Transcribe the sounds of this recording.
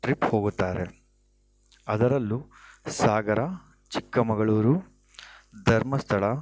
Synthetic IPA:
ʈɾipho̞ːɡut̪ːaːɾe̞̰ | ɐd̪ɐɾɐlːusaːɡɐɾɐ | t͡ʃikːɐmɐɡɐɭuːɾu | d̪ʱɐɾmɐst̪ʰɐɭɐ

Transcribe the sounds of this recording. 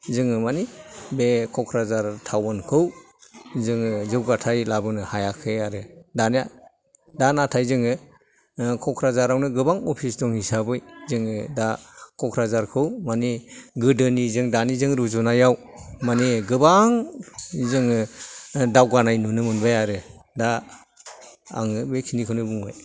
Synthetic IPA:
zɯŋɯmanibekʰɔkʰɾazaɾtʰawɯnkʰɯw | zɯŋɯzɯwɡatʰajlabɯnɯhajakʰɯaɾɯdana | danatʰajzɯŋɯ | kʰɔkʰɾazaɾawnɯɡɯbaŋɔpʰisdɔŋhisabɯjzɯŋɯdakʰɔkʰɾazaɾkʰɯwmaneɡɯdɯnizɯŋdanizɯŋɾuzunajaw | maneɡɯbaŋ | zɯŋɯ | dawɡanajnunɯmɯnbajaɾɯ | da | ŋɯbekʰinikʰɯnɯbuŋbaj

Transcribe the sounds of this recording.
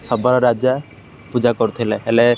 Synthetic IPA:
sɔbaɾɔɾad͡ʒa | pud͡ʒakɔɾt̪ʰilɛelɛ

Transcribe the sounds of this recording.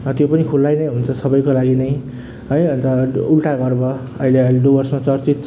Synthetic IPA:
t̪jopʌnikʰulːajnʌjɦunt͡sʰʌsʌbʌjkolaɡinʌj | ɦʌjʌnt̪ʌulʈaɡʌrbʌ | ʌ̰ileʌilɖubʌrsmat͡sʌrt͡sit̪

